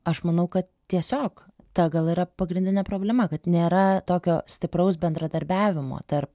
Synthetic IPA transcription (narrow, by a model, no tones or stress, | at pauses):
ɐʃmɐnɐʊkɐt̪t̪ʲiɛsʲoːk | t̪ɐɡɐlˠiːɾɐpɐɡɾʲɪndʲɪnʲɛːpɾoːbʲlʲɛmɐkɐt̪nʲeːɾɐt̪oːkʲoːsʲt̪ʲɪpɾɐʊsbʲɛnd̪ɾɐd̪ɐɾʲbʲæːʋʲɪmo̰ːt̪ɐɾp̚